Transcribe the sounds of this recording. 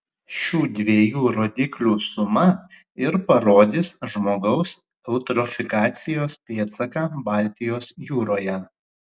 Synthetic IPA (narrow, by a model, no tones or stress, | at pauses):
ʃʲuːd̪ʲʋʲeːjuːɾoːd̪ʲɪklʲuːsʊmɐ | ɪɾpɐɾoːd̪ʲɪsʒmoːɡɐʊs | ɛʊt̪ɾɔfʲɪkɑːt̪sʲɪjoːspʲeːt̪sɐkɑːbɑːˑlʲt̪ʲɪjoːsjuːɾoːjɛ